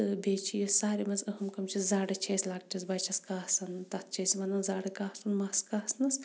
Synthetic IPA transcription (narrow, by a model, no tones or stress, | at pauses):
beːt͡ʃʰijisaːɾimɐnzəɦɨmkɐmt͡ʃʰizaːɽɨt͡ʃʰeːsʲlaːk̚ʈʲisbɐt͡ʃʰɐskaːsɐnt̪ɐt̪̚ʰt͡ʃesʲmɐnɐnzaːɽɨkaːhsɐnmɐskaːsnɐs